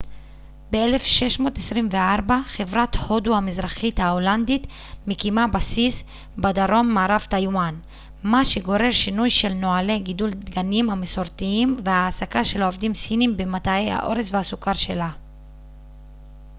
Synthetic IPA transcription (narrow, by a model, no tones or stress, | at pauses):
be̞ele̞fʃe̞ʃmo̞ːtesʁimveaʁbaχe̞vʁat̪ho̞duhamizʁaχit̪haoland̪it̪ | mikimabasis | bad̪aʁo̞mːaːʁavt̪ajwan | maʃe̞ɡo̞ʁe̞ʁʃinujʃe̞lno̞ale̞ɡid̪ulddɡanimameso̞ʁt̪iimvehaːsakaʃe̞laovd̪imsinimbemat̪aea̰ʔo̞̰ʁesvehasukaʁʃe̞la